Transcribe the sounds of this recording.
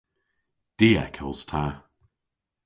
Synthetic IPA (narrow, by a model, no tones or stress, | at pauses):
d̥iːɛ̰kʰə̰lstʰa